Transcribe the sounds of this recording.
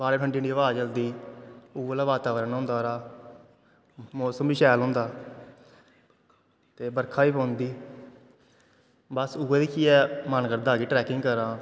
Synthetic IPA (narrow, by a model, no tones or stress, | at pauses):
baːɽeːpʰəɳɖiːɳɖiːəʋaːt͡ʃəld̪iːʊːəlaːʋaːt̪aːʋəɾənɦʊ̃ːnd̪aːɾaː | moːsəmbiːʃɛːlɦʊ̃ːnd̪aː | t̪eːbəɾkʰaːiːpõːnd̪iː | bəsuːəd̪iːkʰiːɛːmənkəɾd̪aːɡiːʈɾɛːkɪŋɡkəɾãː